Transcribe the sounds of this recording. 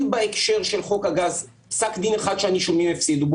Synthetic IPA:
mbaekʃe̞ʁʃelχo̞khaɡaz | psakd̪ineχad̪ʃeaniʃomimefsid̪ub

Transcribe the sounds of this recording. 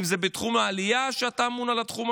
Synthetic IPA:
imzebet̪χumaːlijaʃeatamunalatχum

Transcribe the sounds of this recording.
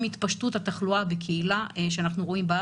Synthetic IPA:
mit̪paʃtuthat̪aχluabekʰeilaʃeanaχnuʁo̞imbaa

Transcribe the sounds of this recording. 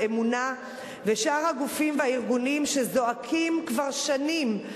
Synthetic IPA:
emuna | ve̞ʃaʁhaɡufimvehaiʁɡunimʃe̞zo̞akʰimkvaʁʃanim

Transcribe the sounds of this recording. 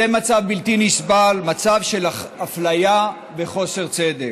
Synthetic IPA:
emat͡savbilt̪inisbalmat͡savʃelaflaja | ve̞χo̞se̞ʁt͡sed̪ek

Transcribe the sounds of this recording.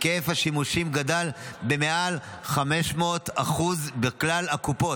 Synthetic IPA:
keefhaʃimuʃimɡad̪albe̞meʔal | χame̞ʃmot̪aχuzbeklalakupo̞

